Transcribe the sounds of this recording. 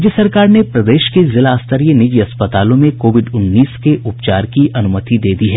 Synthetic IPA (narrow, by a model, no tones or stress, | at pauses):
d͡ʒjəsɐɾkaːɾnepɾɐd̪eːʃkezɪlaːst̪əɾijənɪd͡ʒiɐspət̪aːlõmẽkoːʋɪɖʊnːiːskeʔʊpt͡ʃaːɾkiʔɐnʊmət̪id̪eːd̪iɦɛː